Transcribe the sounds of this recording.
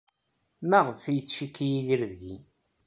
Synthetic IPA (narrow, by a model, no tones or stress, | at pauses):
mæʁəfijət͡sːʃikːijiðəɾðʝi